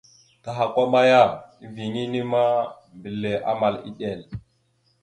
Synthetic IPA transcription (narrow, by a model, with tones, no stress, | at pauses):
ta˨ɦa˨kʷa˦ma˦ja˦˨i˦vi˨ŋi˦ni˦ma˦ | mbi˨lːe˨ʔa̰˦ma˨lḭ˦ɗe˨l